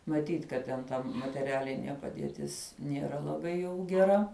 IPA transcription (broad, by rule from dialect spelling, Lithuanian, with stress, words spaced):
mɐˈtʲiːtʲ kɐt ˈtʲɛn ˈtɐ mɐtʲɛˈrʲæːlʲɪnʲiɛ pɐdʲiɛˈtʲɪs nʲiɛˈrɐ lˠɐˈbɐɪ jɛʊ ɡʲɛˈrɐ